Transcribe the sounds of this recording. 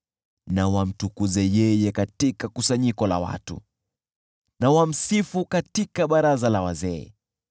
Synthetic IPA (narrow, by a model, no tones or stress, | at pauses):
nawam̩tukuzɛjɛjɛkatikakusaɲikɔla̰wa̰tṵ | nawam̩sifukatikaɓaɾazalawazɛɛ̰